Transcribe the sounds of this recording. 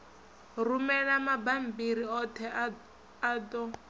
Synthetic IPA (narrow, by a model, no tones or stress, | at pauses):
rumɛɺamabam̩biɾiɔtʰɛ | adɔ